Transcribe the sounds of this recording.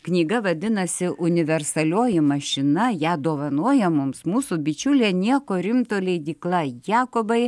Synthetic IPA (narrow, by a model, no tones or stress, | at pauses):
knʲiːɡɐʋɐd̪ʲɪnɐsʲɪʔʊnʲɪʋʲɛrsɐlʲoːjɪmɐʃʲɪnɐjæːd̪oːʋɐnuɔjɛmʊmsmuːsubʲɪt͡ʃʲʊlʲeːnʲiɛkoːɾʲɪmt̪oːlʲɛɪd̪ʲiːklˠɐjɑːkobɐɪ